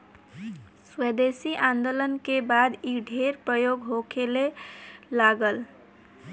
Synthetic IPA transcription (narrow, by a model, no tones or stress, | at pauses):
sed̪esiʔãnd̪olənkebad̪iɖʱeɾpɾəjoɡɦokʰelelaɡəl